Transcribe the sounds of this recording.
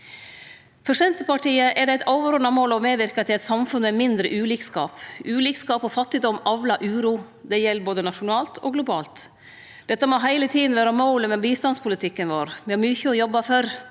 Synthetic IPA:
fœʂɛnt̪əpɑʈiːəʔɛɖɛæɪt̪ɑʊʋəɾʊnɑmoːlɔmeːʋɪɾkɑt̪ʰɪɛt̪sɑmfʉnːəɛmɪnd̪ɾəʔʉːliːkskɑːpʔʉːliːkskɑːpɔfɑt̪ːɪd̪ɔmɑʋlɑʔʉːɾuː | d̪ɛjɛlːboːd̪ənɑʂʊnɑːlt̪ʰɔɡlʊbɑːlt̪ | d̪̥ɛt̪ːɑmɔɦæɪlət̪ʰiːd̪n̩ʋæːɾɑmɔʊləmɛbiːst̪ɑnspʰʊlɪt̪ʰɪkːənʋoːɾʋɪhɑɾmyçəɔjɔbːɑfœɾ

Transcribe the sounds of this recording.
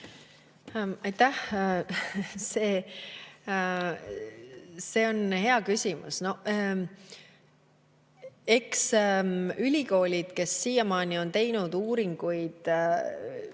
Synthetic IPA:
ɑjt̪ːæh | se̞ː | se̞ːo̞nhe̞ɑkysʲimṵsno̞ | e̞ks | ylʲiko̞ːlʲid̪̥ke̞sːiːjɑmɑːnio̞nt̪e̞jnud̪̥uːɾiŋɡ̥ujd̪̥

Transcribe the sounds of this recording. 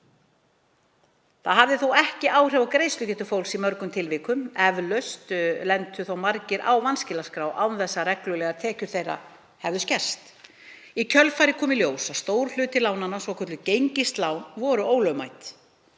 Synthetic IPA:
θaðɦavðɪθuwɛhcɪʔaːwr̥ɛvawkɾeːjst̪ʏcɛt̪ʏfowlsimœɾkʏmt̪ʰɪlvɪːkʏmɛvlœst̪lɛnt̪ʏθowmaɾcɪɾʔa̰wvanscɪlaskɾaːwʔawnθɛsːarɛklʏlɛɣat̪ʰɛːcʏɾ̥θejra̰ | hɛvðʏscɛr̥st̪ | icʰœlfajɾɪkʰɔːmɪljoːwsaðst̪oːwɾl̥ʏːt̪ɪlaːwnanːasɔwkʰœɾt̪lʏcejɲcɪst̪laːwnvɔːɾʏoːwlœmajt̪

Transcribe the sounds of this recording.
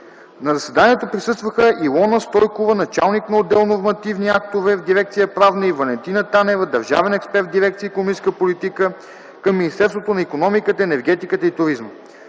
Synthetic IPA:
nɐzɐsvɛd̪aniɛt̪opɾisɤst̪vəxəʔilˠɔnəst̪ɔjkovənɐt͡ʃa̰lˠniknɐod̪ːɛlˠnoɾmɐt̪ivniak̚t̪ovɛvd̪iɾɛkt̪sijəpɾavnəivɐlɛnt̪inət̪anɛvəd̪ɐɾʒa̰vɛnɛkspɛɾt̪̚d̪iɾɛk̚t̪siəikonomit͡ʃskəpolit̪ikə | kɐmːinist̪ɛɾst̪vot̪onɐikonɔmikət̪əɛnɛɾɡɛt̪ikət̪əit̪ʊɾizmə

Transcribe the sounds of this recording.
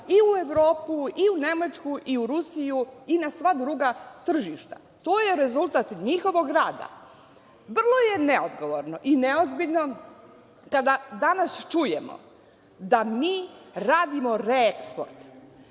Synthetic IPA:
iue̞ʋɾo̞ːpuiune̞mat͡ʃkuʔiuɾusijuinasʋad̪ɾuɡat̪r̩ʒiʃt̪ḁ̰ | t̪oːje̞ɾe̞zulˠt̪at̪ɲixo̞ʋo̞ɡɾaːd̪a̰ | br̩lˠo̞je̞ne̞od̪ɡo̞ʋoɾno̞ʔineo̞zbiʎno̞ | kad̪ad̪anast͡ʃuje̞̰mo̰ | d̪amiːɾaːd̪imo̞ɾeekspo̰ɾt̪

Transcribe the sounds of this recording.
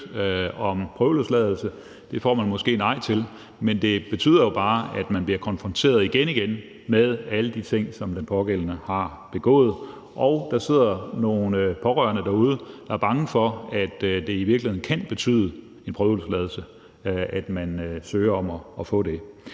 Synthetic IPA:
ɒ̽mpʰʁœʊloslɛːð̞ˠl̩sə | d̥e̝fɒ̰ːmænmɒ̽sɡ̥e̝̰ːnɑ̈ɪ̰t͡sʰe̝l | mend̥e̝b̥e̝t͡sʰy̰ːð̰ˠɐjo̝b̥ɑ̈ːæd̥mænb̥liɐkʰɒ̽nfʁɒ̽nt͡sʰe̝̰ːɐð̞ˠiɡ̥eniɡ̥en | með̞ˠæləd̥it͡sʰe̝ŋ̰sɒ̽md̥enpʰɒ̽ɡ̥elənəhɑ̈ | b̥e̝ɡ̥ɔ̰̽ːð̩ˠ | ʔɒʊd̥ɑ̈se̝ð̞̰ˠɐno̝ːnpʰɒ̽ʁœɐnəd̥æuːðˠəd̥ɑ̈æɐb̥ɑ̈ŋəfɒ̽æd̥d̥e̝iʋiɐɡlihe̝ðˠn̩kʰænb̥e̝t͡sʰy̰ːðˠə | e̝npʰʁœːʊlslɛːð̞ˠl̩sə | ʔæd̥mænsøːɐɒmɒ̽ːfɔ̰ːd̥e̝

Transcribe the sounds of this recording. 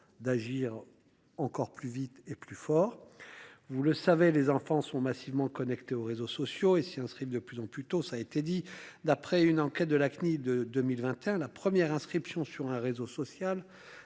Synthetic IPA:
d̪aʒiʁ | ɑ̃kɔʁplyvit̪eplyfɔʁ | vuləsavelezɑ̃fɑ̃sɔ̃masivmɑ̃kɔnɛkt̪eoʁezosɔsjoesiɛ̃skχivd̪əplyzɑ̃plyt̪osaːet̪ed̪id̪apχɛynɑ̃kɛt̪̚d̪əlaknid̪əd̪ømilvɛ̃t̪eɛ̃lapχəmjɛʁɛ̃skχipsjɔ̃syʁɛ̃ʁezosɔsjal

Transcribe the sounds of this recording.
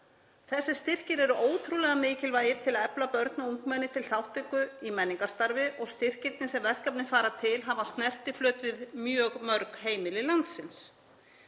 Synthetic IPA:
θɛsːɪ̥st̪ɪr̥cɪɾɛɾʏʔoːwt̪ʰɾulɛɣamɪːcɪlvaːjɪɾ̥t̪ʰɪlɛplapœɾt̪nauŋkmɛnːɪt̪ʰɪlθawht̪ɪŋkʏimɛnːiŋkast̪aɾvɪʔɔɣst̪ɪr̥cɪɾt̪nɪsɛmvɛðkapnɪfaːɾat̪ʰɪlɦavast̪nɛr̥t̪ɪflœːt̪vɪðmjœːɣmœɾkɦeːjmɪlɪlant̪sɪns

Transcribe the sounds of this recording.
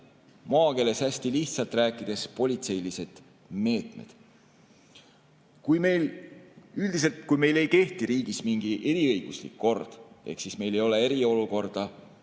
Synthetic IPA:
moɑːke̞ːle̞sæsʲt̪iliht̪sɑlt̪ˑræːkːˑid̪̥e̞spo̞lʲit̪se̞jlise̞d̪̥ | me̞ːt̪me̞̰d̪̥ | kujme̞jl | yld̪̥is̬e̞lt̪kujme̞jle̞jke̞ht̪iɾiːɡ̥ismiŋɡ̥iʔe̞ɾiɤjɡ̥uslḭkːo̞rd̪̥e̞̰hksisme̞jle̞jo̞le̞e̞ɾio̞luko̞rd̪̥ɑ

